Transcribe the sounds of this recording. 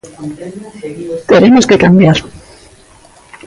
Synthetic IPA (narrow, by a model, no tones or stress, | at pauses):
t̪eɾemoskekambjaɾ